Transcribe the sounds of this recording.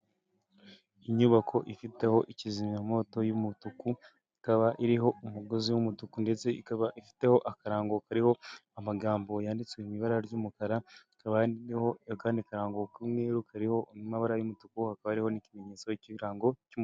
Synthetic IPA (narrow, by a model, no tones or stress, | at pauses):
iɲuβakʰo̞ʔifite̞ho̞ʔicizimamo̞ːto̞jumutuku | ikaβaʔiɾiɦo̞ʔumuɡo̞ziwumutukunde̞t͡se̞ikaβaʔifi̥te̞ho̞ʔakaɾaːŋɡokaɾiho̞amaɡaːmbo̞jaːndit͡sweimiβaɾaɾɟumukaɾaikaβa | kaːndikaɾaːŋɡukumŋeːɾukʰaɾiho̞maβaɾajumutukuhakaβaiɾiho̞nicime̞ɲe̞ːt͡so̞iciɾaːŋɡo̞cu